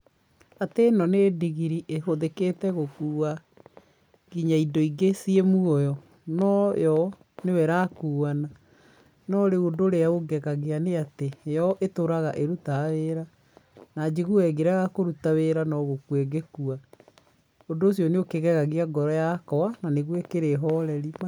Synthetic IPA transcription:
atenɔnediɣiɾiʔeɦoðeketɛɣokua | ɣiɲaidoiɡesiemuɔjɔ | nɔjɔ | newɛɾakuːana | nɔɾeondoɾeaoɡɛɣaɣeaneatejɔʔetoɾaɣaʔeɾutaweːɾa | nad͡ʒeɣuɛɡeɾaɣakoɾutaweɾanɔɣokwɛɡekua | ondoːsjɔneokeɣɛɣaɣeaɡɔɾɔjakɔananeɣwɛkeɾeɦɔɾɛɾima

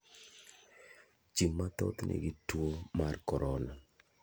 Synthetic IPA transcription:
t͡ʃimːat̪ɔ̰t̪nʔḛɡitwomarkɔɾʔɔla

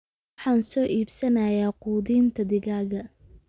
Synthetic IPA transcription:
ħɑːnsɔːʔiːbsɐnɐjaːquːðiːnt̪ʰɐd̪ɪɣaːɣɐ

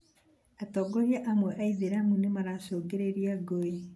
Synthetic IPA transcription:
atɔɡɔɾjaʔamwɛʔaiðeɾamunemaɾasoːɡeɾeɾiaɡoe

